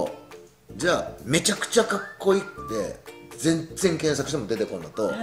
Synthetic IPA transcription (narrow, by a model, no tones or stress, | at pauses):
d͡ʑaːme̞t͡ɕakɯ̟̥t͡ɕakakːo̞it̪ːe̞d͡zẽ̞nd͡zẽ̞ŋkẽ̞ɰ̃sakɯ̟it̪emo̞d̪e̞t̪e̞kõ̞nːot̪o̞